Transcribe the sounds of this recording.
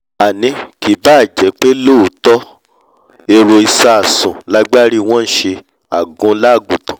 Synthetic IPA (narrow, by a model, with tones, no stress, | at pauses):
a˨nĩ˧˦ki˨˦ba˦˨d͡ʒɛ˨˦k͡pe˦lo˦u˨tɔ˦ | e˧ɾo˧i˧sa˧a˨sũ˨la˦ɡ͡ba˦ɾi˦˧w̃ɔ̃˦n̩˦ʃe˧ | a˨ɡũ˧˦la˦˨ɡũ˨tã˨